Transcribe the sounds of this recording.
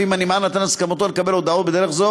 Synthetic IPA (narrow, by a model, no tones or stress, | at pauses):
imanimanat̪anaskamot̪olekabelod̪aot̪̚bed̪e̞ɾeχzo